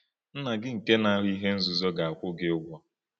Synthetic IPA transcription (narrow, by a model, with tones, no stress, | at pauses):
n̩˦na˨ɡɪ˦ŋ̩˨ke˦na˨a˦ɾi˦ɦe˦n̩˦zu˨zɔ˦ɡa˨a˨kʷʊ˦ɡe˦ʊ˦ɡʷɔ˦